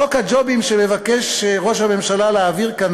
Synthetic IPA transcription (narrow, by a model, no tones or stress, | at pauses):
okhad͡ʒo̞bimʃeme̞vakeʃʁo̞ʃhame̞mʃalaleaviʁkan